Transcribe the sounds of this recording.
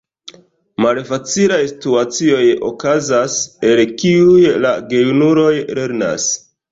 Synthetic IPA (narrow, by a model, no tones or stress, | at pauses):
malfat͡silajsi̥tuat͡sio̞jo̰kazase̞lkiujlaɡe̞junuɾo̞jle̞ɾna̰s